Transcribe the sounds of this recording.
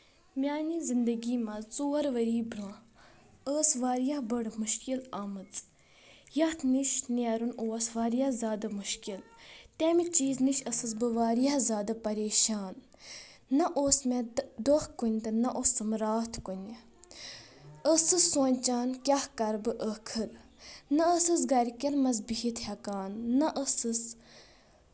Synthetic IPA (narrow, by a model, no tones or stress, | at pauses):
mʲjaːnizind̪ɐɡiːmɐt͡soːɾʋɐɾiːbɾãː | əːsʋaːɾjaɦbəɽmuʃkilɐmɨt͡s | jɐt̪ʰniʃneːɾunoːsʋaːɾjazʲaːd̪ɐmuʃkilt̪ɛmit͡ʃiːzniʃəsɨsbɨʋaːɾjahzʲaːd̪ɐpɐɾeːʃaːnː | ɐʔoːsmed̪ohkunʲt̪ɨnɐʔosɨmɾaːt̪ʰkunʲ | əsɨsoːnʲt͡ʃaːnkʲɐhkɐɾbɨʔəkʰɨɾ | nɐəsɨsɡɐɾʲkʲɐnmɐz̬biɦit̪hʲɐkaːnːɐʔəsɨs